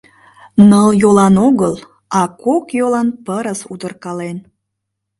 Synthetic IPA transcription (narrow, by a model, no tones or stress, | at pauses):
nəljolɑnoɣəlˠ | ɑkokjolɑnpəɾəsud̪ərkɑlen